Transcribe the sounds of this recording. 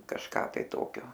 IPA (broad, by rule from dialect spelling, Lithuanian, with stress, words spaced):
kɐʃˈkɑː tɐɪ ˈtoːkʲoː